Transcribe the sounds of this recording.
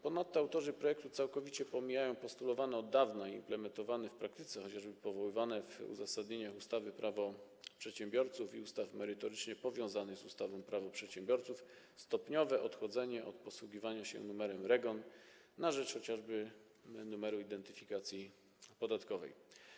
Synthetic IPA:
pɔnat̪ːɔawt̪ɔʐɘpɾɔjɛk̚t̪ut̪sawkɔvʲit͡ɕɛpɔmʲijajɔ̃w̃pɔst̪ulɔvanɛɔd̪ːavnaimplɛmɛnt̪ɔvanɛfpɾakt̪ɘ̥t̪sɛxɔt͡ɕaʐbɘpɔvɔwɘvanɛvṵzasad̪ɲeɲaxust̪avɘpɾʔavɔ | pʂɛt̪ɕɛ̃mbʲjɔɾt̪sufiust̪afmɛɾɘt̪ɔɾɘt͡ʂɲɛpɔvʲjɔ̃w̃zanɘɣzust̪avɔ̃mpɾavɔpʂɛt̪ɕɛ̃mbʲjɔɾt̪suf | st̪ɔpɲɔvɛʔɔt̪xɔd̪zɛɲɛʔɔ̰t̪̚pɔswuɡʲivaɲaɕɛ̰numɛɾɛmɾɛɡɔnː | aʐɛt͡ʂxɔt͡ɕaʐbɘ | numɛɾuid̪ɛnt̪ɘfʲikat̪sʲji | pɔd̪at̪kɔvɛ̰j

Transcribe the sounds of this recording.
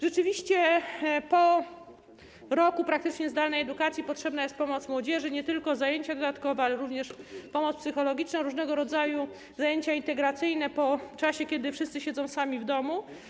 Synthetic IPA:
ʐɛt͡ʂɘvʲiɕt͡ɕɛpɔ | ɾɔkupɾakt̪ɘt͡ʂɲɛzd̪alnɛjɛd̪ukat̪sʲjipɔtʂɛbnajɛst̪̚pɔmɔt̪smwɔd͡ʑɛʐɘɲɛt̪ɘlkɔzajeɲt͡ɕad̪ɔd̪at̪kɔvɛalɛɾuvɲɛʂpɔmɔt̪spsɘxɔlɔɡʲit͡ʂnɔ̃ɾuʐnɛɡɔɾɔd̪zaju | zajeɲt͡ɕaint̪ɛɡɾat̪sɘjnɛpɔt͡ʂaɕɛkʲɛd̪ɘfʂɘst̪sɘɕɛd̪zɔ̃w̃samʲivd̪ɔmu

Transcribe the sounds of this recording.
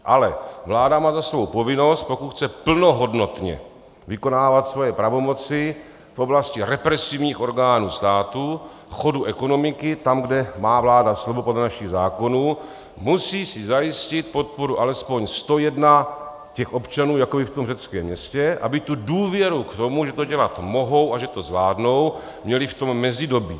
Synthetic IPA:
ʔalɛvlaːdamaːzasvo̞wpo̞vɪno̞st̪̚po̞kut̪xt͡sɛpl̩no̞ɦo̞dno̞t̪ɲɛ̰ | vɪko̞naːvat̪svo̞jɛpɾavo̞mo̞t͡sɪ | fʔo̞blascɪɾɛpɾɛsivɲiːxo̞ɾɡaːnuːst̪aːt̪u | fxo̞duʔɛko̞no̞mɪkɪt̪amɡdɛmaːvlaːdaslovopodlɛnaʃɪɣzaːko̞nuː | musiːsɪzajɪscɪt̪̚po̞t̪̚po̞ɾuʔalɛspo̞ɲst̪o̞jɛdna | cɛxʔo̞pt͡ʃanuːjakobɪft̪o̞mrɛt͡skɛːmɲɛscɛʔa̰bɪt̪uduːvjɛɾukt̪o̞muʒɛt̪o̞ɟɛlat̪mo̞ɦo̞wʔaʒɛt̪o̞zvlaːdno̞w | mɲɛlɪft̪o̞mːɛzɪdo̞biː

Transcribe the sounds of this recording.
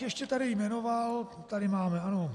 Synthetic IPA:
jɛʃcɛt̪aɾɪjmɛno̞val | t̪adɪmaːmɛano

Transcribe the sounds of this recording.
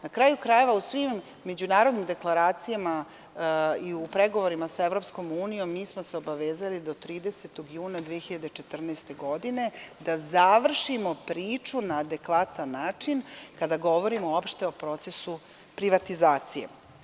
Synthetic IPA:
nakɾaːjukɾaje̞ʋausʋimː | e̞d͡ʑunaːɾo̞d̪nimd̪e̞klˠaɾaːt̪sijama | iupɾe̞ɡoʋoɾimasaeʋɾo̞psko̞muːnijo̞mːiːsmoseo̞baʋeːzalid̪ot̪ɾiːd̪eset̪oɡjuːnad̪ʋieçiʎad̪et͡ʃet̪r̩naːst̪e̞ɡo̞d̪ine̞d̪azaʋr̩ʃimo̞pɾiːt͡ʂunaːd̪e̞kʋat̪anːaːt͡ʂinkad̪aɡo̞ʋo̞ɾimoopʃt̪e̞o̞pɾo̞t̪se̞su | pɾiʋat̪izaːt̪sijḛ

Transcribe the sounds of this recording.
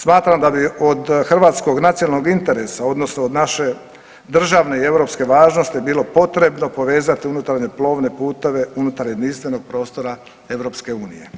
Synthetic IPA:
smaːt̪ɾamd̪abiod̪xr̩ʋaːt̪sko̞ɡnat̪sionalno̞ɡint̪e̞ɾe̞sao̞d̪no̞snood̪naʃe̞ | d̪r̩ʒaʋne̞ie̞ʋɾo̞ːpske̞ʋaːʒno̞st̪ibiːlo̞po̞t̪ɾe̞bno̞po̞ʋe̞ːzat̪iunut̪aɾɲe̞plˠo̞ːʋne̞puːt̪o̞ʋe̞unut̪aɾje̞d̪ninst̪ʋe̞no̞ɡ̥̚pɾo̞ːst̪o̞ɾa | e̞ʋɾo̞pske̞uːnḭje̞̰

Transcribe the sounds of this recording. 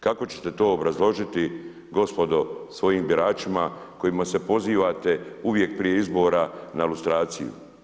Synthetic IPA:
kako̞t͡ɕe̥t̪e̞t̪o̞ːobɾazlˠo̞ʒit̪i | ɡo̞spo̞d̪o̞sʋo̞jiːmbiɾaːt͡ʃimako̞jimase̞po̞ziːʋat̪e̞uʋje̞k̚pɾije̞izbo̞ːɾanailust̪ɾaːt̪sḭjṵ

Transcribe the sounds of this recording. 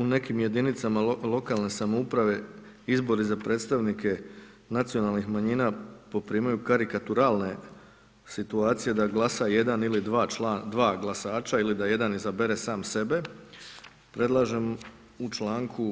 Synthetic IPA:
une̞kimje̞d̪init̪samalˠo̞kalˠne̞samoupɾaʋe̞ | izbo̞ɾizapɾʔe̞ːt̪st̪aʋnike̞ | nat̪sio̞nalˠnixmaɲiːnapo̞pɾiːmajukaɾikat̪uɾaːlˠne̞ | sit̪uaːt̪sije̞d̪aɡlasaje̞d̪anilid̪ʋaːad̪ʋaːɡlˠasaːt͡ʃailid̪aje̞d̪anizabeɾe̞saːmse̞be̞ | pɾed̪lˠaʒe̞m | ut͡ʃlaːŋku

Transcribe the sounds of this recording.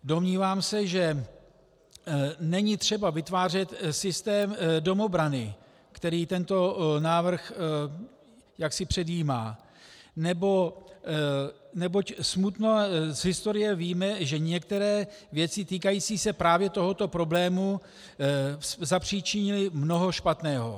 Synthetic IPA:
do̞mɲiːvaːmsɛʒɛ | nɛɲɪt̪r̝̥ɛbavɪt̪vaːr̝ɛt̪sɪst̪ɛːmdo̞mo̞bɾanɪ | kt̪ɛɾiːt̪ɛnt̪o̞naːvr̩x | jaksɪpr̝̥ɛdjiːma̰ː | nɛbo̞ | nɛbo̞csmut̪nozɦɪst̪o̞ɾɪjɛviːmɛʒɛɲɛk̚t̪ɛɾɛːvjɛt͡sɪt̪iːkajiːt͡siːsɛpɾaːvjɛt̪o̞ɦo̞t̪o̞pɾo̞blɛːmu | szapr̝̥it͡ʃɪɲɪlɪmno̞ɦo̞ʃpat̪nɛːɦo̞̰

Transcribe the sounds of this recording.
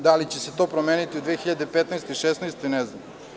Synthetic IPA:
d̪alit͡ɕeset̪o̞pɾomeːnit̪iud̪ʋeːxiʎad̪epet̪najst̪eiʃesnajst̪enɛznam

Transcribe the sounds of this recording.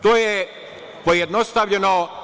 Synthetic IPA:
t̪oːje | pojed̪nost̪aʋʎeno

